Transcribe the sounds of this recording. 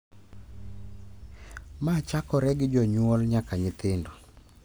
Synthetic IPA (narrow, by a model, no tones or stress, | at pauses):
mat͡ʃakɔɾɛɡɪd͡ʒɔɲwɔlɲakaɲɪt̪ɪndo